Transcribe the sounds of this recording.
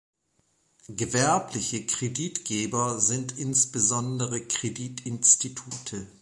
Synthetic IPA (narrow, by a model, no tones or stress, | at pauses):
ɡəvɛɐplɪçəkʁ̥ediːtɡ̥eːbɐzɪntʔɪnsb̥əzɔndəʁəkʁ̥ediːtʰɪnstitʰuːtʰə